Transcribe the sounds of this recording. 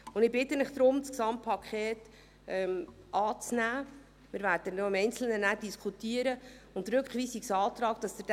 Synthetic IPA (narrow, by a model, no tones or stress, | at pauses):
ʊndɪbɪtːənɪχd̥̪ɾʊmsksɑmtpʰɑkʰχeːt | ɛm | ʔɑːt͡snæː | mɪɾvæːɾdənoɪmɛjnt͡sl̩nənæːɾd̥iskʰutiːəɾəʊnt̪ɾɵkχʋiːsiksɑːt̪ɾɑːkd̥ɑsd̥̪əd